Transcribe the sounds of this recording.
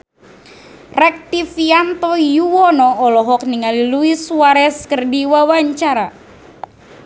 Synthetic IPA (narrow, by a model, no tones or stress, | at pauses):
rɛk̚t̪ifiant̪ɔjuwɔnɔɔlɔɦɔk̚niŋaliluiswaɾɛskərdiwawaɲt͡ʃaɾa